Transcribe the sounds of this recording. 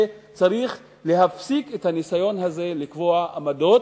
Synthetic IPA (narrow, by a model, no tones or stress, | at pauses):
et͡saʁiχ | le̞ɦafsikethanisajo̞nhaze̞likvo̞aʔamado̞t